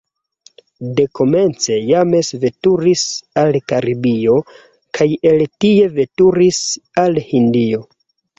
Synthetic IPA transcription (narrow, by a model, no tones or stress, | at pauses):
de̞kʰo̞me̞nt͡se̞jame̞sve̞tuɾisalkaɾibio̞ | kʰaje̞ltie̞ve̞tuɾisalhindio̞